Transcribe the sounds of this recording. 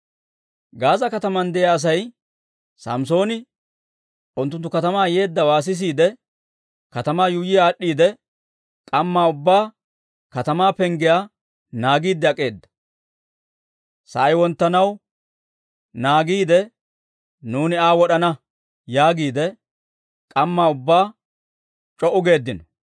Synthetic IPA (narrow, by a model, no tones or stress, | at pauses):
ɡaːzɐkɐt̪ɐmɐnd̪ɛjaːs̬ɐj | sɐ̰mso̞ːnɪ | ʔʊnt̪ːʊnt̪ːʊkɐt̪ɐmaːje̞ːd̪ːɐwaːs̬ɪs̬iːd̪ɛ | kɐt̪ɐmaːjujɪjaːɗːiːd̪ɛ | kʼɐmːaːʊbːaː | kɐt̪ɐmaːpɛŋɡɪjaː | naːɡiːd̪ːɛɐkʼe̞ːd̪ːɐ̥ | sɐʔɐjwɔnt̪ːɐnɐw | naːɡiːd̪ɛ | nuːnɪaːwɔɗɐnɐ | jaːɡiːd̪ɛ | kʼɐmːaːʊbːaː | t͡ʃʼɔʔʊɡe̞ːd̪ːɪnɔ̥